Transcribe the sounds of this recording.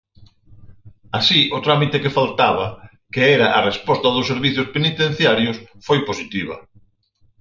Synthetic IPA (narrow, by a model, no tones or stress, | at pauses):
asiʔot̪ɾamit̪ekefalt̪aβɐ | keɛɾɐʔarespɔst̪ɐðʊsːeɾβiθjʊspenit̪ẽn̟θjaɾjʊsfojposit̪iβ̞ɐ̰